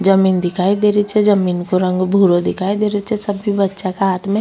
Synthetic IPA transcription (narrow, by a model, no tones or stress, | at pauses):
d͡ʒəmiːnd̪ɪkʰaːid̪eːɾit͡ʃʰed͡ʒəmiːnkoɾə̃ŋɡbʱuːɾod̪ɪkʰaːid̪eːɾit͡ʃesɐbibɐtːʃakaɦaːt̪mẽ